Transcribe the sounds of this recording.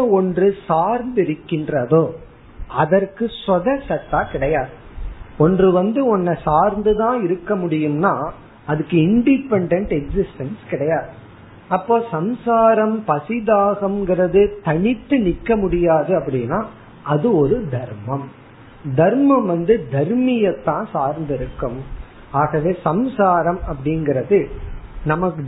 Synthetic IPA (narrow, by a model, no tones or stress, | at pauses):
ɐɔndrɯsaːɾnd̪ɪɾɯkːɪndrɐðoː | ɐðɐrkɯsɔðɐsɐt̪ːaːkɪɽɐjaːðɯ | ɔndrɯʋɐnd̪ɯɔnːɐsaːɾnd̪ɯðãːɪɾɯkːɐmʊɽɪjɯmnaː | ɐðɯkːɯɪɳɖɪpɛɳɖɛɳʈɛksɪsʈɐnskɪɽɐjaːðɯ | ɐpːoːsɐmsaːɾɐmpɐsɪðaːɣɐmŋɡɪɾɐðɯt̪ɐɳɪt̪ːɯnɪkːɐmʊɽɪjaːðɯɐpːɐɽɪnːaː | ʔɐðɯɔɾɯd̪ʱɐɾmɐm | d̪ɐɾmɐmʋɐnd̪ɯd̪ɐɾmɪjɐt̪ːãːsaːɾnd̪ɪɾɯkːɯm | aːɣɐʋeːsɐmsaːɾɐmɐpːɐɽɪnɡɪɾɐðɯnɐmɐkːɯ